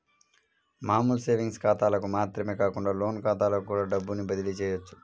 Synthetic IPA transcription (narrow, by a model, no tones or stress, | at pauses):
maːmulseːʋiŋɡskaːt̪aːlɐkumaːt̪ɾɐme̞ːkaːkuɳɖaːlo̞ːnkaːt̪aːlɐkukuːɽaːɖɐbːunibɐd̪ilit͡ʃɛːjɐt͡ʃːu̥